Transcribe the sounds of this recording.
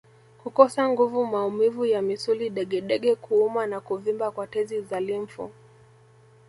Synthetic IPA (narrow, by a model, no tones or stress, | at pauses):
kukɔsaŋɡuvumaumivujamisuliɗɛɠɛɗɛɠɛkuumanakuvimbakwatɛzizalim̩fṵ